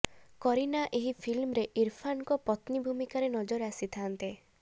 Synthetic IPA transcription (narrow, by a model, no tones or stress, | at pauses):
kɔɾinaʔeɦipʰilmɔɾeʔiɾpʰankɔpɔt̪nibʱumikaɾenɔd͡ʒɔɾasit̪ʰant̪e